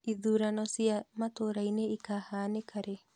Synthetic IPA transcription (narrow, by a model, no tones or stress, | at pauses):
iðuɾanɔsiamatoɾaineikahaːnekʰaɾe